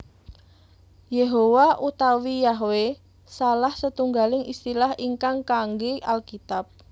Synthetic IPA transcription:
jeɦowaʔut̪awijaɦwe | salahsət̪uŋɡalɪŋist̪ilahiŋkaŋkaŋɡeʔalkit̪ap̚

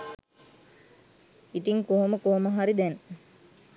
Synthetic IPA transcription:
it̪iŋkoɦoməkoɦoməɦaɾid̪ɛn

